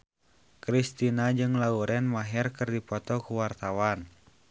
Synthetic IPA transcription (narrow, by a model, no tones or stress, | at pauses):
kɾist̪inad͡ʒɨŋlauɾɛnmaɦɛrkɨrdipɔt̪ɔkuwart̪awan